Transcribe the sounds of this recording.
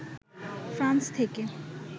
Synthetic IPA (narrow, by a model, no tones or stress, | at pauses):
fɾãnst̪ʰeke